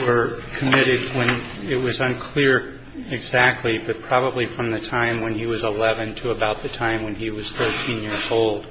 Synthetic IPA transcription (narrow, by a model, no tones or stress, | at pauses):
wə˞kʰɨmɪɾɨd̚wə̃n | ɪt̚wʌzɨ̃nkʰl̥ɪɹ | ɪɡzæk̚tʰˡlibʌt̚pʰɹ̥ɑbəblifɹʌ̃mðɨtʰãɪ̃mwɨ̃niwʌzəlɛvɨ̃ntʰɨəbaʊt̪̚ðɨtʰãɪ̃mwɨ̃niwʌz̥θɜ˞tʰĩnjɪɹzoʊlˠd̥